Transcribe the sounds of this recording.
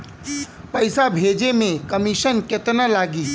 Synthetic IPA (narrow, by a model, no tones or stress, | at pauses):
pɐɪsabʱeːd͡ʒemẽkɐmɪʃənkɪt̪nalaːɡiː